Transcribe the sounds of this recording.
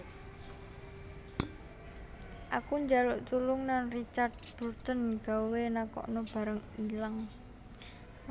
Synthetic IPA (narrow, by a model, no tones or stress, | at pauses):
ʔakuɲd͡ʒalʊʔt̪ulʊŋnanrit͡ʃard̪̚b̥ṳrt̪ənɡ̥a̤wenakɔ̰ʔnɔb̥a̤ɾəŋilaŋ